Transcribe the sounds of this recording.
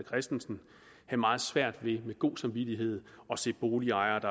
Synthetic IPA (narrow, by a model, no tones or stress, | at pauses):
kʰʁɛsd̥n̩sn̩ | hæmɑ̈ːð̞̩ˠsʋæɐ̰d̥ʋe̝meɡ̥o̝̰ːsɑ̈mʋid̥iɦe̝ð̰ˠɒ̽se̝̰ːb̥o̝ːliɑ̈ɪɐd̥ɑ